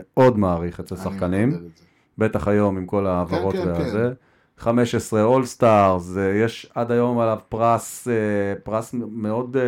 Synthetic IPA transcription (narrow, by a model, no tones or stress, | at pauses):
eo̞dmaːʁiχet͡selsaχkanim | be̞t̪aχajo̞mimko̞laːvaʁo̞t̪veaaze | χame̞ʃesʁeo̞lst̪aʁzjeʃad̪ajo̞malavpʁasepʁasmeo̞d